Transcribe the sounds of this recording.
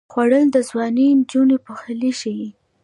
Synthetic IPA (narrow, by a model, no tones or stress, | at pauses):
xwaɽəld̪əzwɑnind͡ʒunepəxaliʃiji